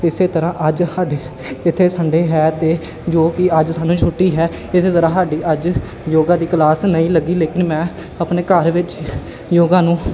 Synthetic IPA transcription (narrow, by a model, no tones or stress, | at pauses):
ɪseːt̪əɾãːʔəd͡ʒhaːɖeː | ɪt̪ʰːeːsəɳɖeːɦɛːt̪eː | d͡ʒoːkɪəd͡ʒsaːnũːt͡ʃʰʊʈːiːɦɛː | ɪseːt̪əɾãːɦaːɖiːʔəd͡ʒ | joːɡãːd̪iːklaːsnəĩːləɡːiːleːkɪnmɛ̃ː | əpneːkəɾʋɪt͡ʃ | joːɡãːnũː